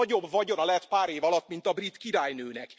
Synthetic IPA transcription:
ɒɟo̞bvɒɟo̞nɒlɛt̪paːɾeːvɒlɒt̪ːmint̪ɒbrit̪kiɾaːjnøːnɛk

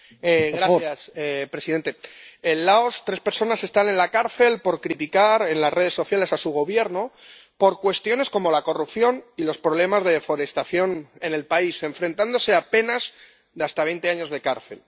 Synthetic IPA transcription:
eɣɾajasepɾe̞siðe̞nt̪e̞enlaost̪ɾe̞speɾso̞nase̞st̪anẽ̞nlakaɾθe̞lpo̞ɾkɾit̪ikaɾe̞nlasre̞ð̞e̞sːo̞θjale̞sasuɣ̞o̞βje̞ɾno | po̞ɾkwe̞st̪jo̞ne̞sko̞mo̞lako̞rup̚θjo̞nilo̞spɾoβle̞mazðe̞fo̞ɾe̞st̪aθjo̞ne̞ne̞lpaise̞ɱfɾe̞nt̪and̪o̞se̞ape̞naz | d̪east̪aβe̞jnt̪e̞aɲo̞zðe̞kaɾθe̞̰l

